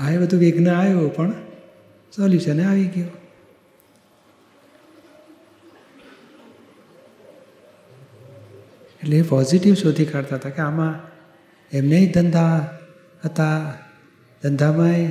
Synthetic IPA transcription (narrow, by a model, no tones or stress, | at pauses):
aebəd̪ʱuʋeɡnaajopəɳ | sɔlisəneaʋiɡjo | eʈleːpɔziʈiʋsod̪ʱikaɾt̪aɦət̪akeamã | ɛmneid̪ənd̪ʱa | ɦət̪a | d̪̥ənd̪ʱamãe